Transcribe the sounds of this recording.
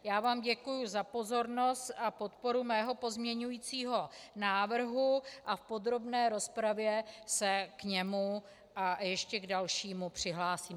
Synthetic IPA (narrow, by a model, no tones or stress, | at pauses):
jaːvaːmɟɛkujuzapo̞zo̞ɾno̞st̪apo̞t̪po̞ɾumɛːɦo̞po̞zmɲɛɲujit͡siːɦo̞naːvr̩ɦuʔafpo̞d̪ɾo̞bnɛːɾo̞spɾavjɛsɛkɲɛmu | ʔajɛʃcɛɡdalʃiːmupr̝̥ɪɦlaːsiːm